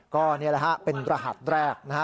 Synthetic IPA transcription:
kɔː˥˩ni˥˩ɐla˦kʰa˦˥pe˧nɾa˧ɦa̰˨˩t̪̚ɾɛː˥˩k̚na˦˥a˦˥

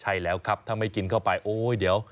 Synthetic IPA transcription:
t͡ɕʰa˥˩jlɛː˦˥wkʰa˦˥p̚t̪ʰa˥˩ma˥˩jki˧nkʰa˥˩wpa˧jʔoː˧˥diː˩˦əw

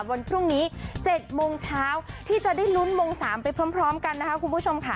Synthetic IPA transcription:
wa˧npʰɾu˥˩ŋniː˦˥t͡ɕe˨˩t̪̚moː˧ŋt͡ɕʰaː˦˥wt̪ʰiː˥˩t͡ɕa˨˩da˥˩jlu˦˥nmoː˧ŋsaː˩˦mpa˧jpʰɾɤː˦˥mpʰɾɔː˦˥mka˧nːa˦˥kʰa˦˥kʰu˧npʰu˦˥˩t͡ɕʰo˧mkʰa˦˥˩

